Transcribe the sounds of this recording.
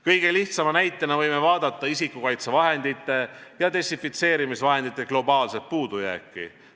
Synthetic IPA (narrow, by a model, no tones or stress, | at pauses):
kɤjɡ̥e̞liht̪sɑmɑnæjt̪ːˑenɑvɤjmevɑːd̪̥ɑt̪ːˑɑisikːukɑjt̪sevɑɦe̞nd̪it̪ːˑe̞jɑt̪e̞sifit̪se̞ːɾimisvɑɦe̞nd̪it̪ːˑe̞klo̞bɑːlse̞t̪̚puːd̪ujæ̰ːkːˑḭ